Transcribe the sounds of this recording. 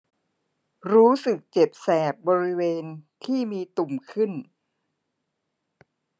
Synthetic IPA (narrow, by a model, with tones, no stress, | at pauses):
ɾuː˦˥sɯ˨˩k̚t͡ɕe˨˩p̚sɛː˨˩p̚bɔː˧ɾi˦˥weː˧nt̪ʰiː˥˩miː˧t̪u˨˩mkʰɯ˥˩n